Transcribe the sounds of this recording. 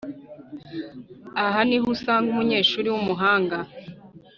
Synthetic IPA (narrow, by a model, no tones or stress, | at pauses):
aɦaniɦusaːŋɡumuɲe̞ːʃuːɾiwumuɦaːŋɡa